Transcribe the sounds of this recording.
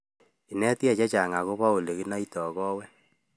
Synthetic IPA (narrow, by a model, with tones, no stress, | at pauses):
i˨nɛ˦tja˦˨t͡ʃa˦t͡ʃa˨ŋa˨ɣo˦βa˦o˨le˨ɣi˦na˦i˦tɔ˨kɔ˦wɛ˦